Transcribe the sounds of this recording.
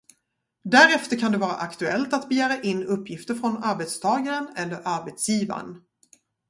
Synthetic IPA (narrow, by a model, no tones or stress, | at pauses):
d̪æɾɛft̪əɾkʰand̪ɛvɑːɾa̰ʔakt̪ɵɛlt̪at̪bɛjæːɾaʔɪnːɵpːjɪft̪əɾfɾɔnaɾbet̪st̪ʰɑːɡaɾənɛlːəɾʔaɾbet̪sjiːva̰n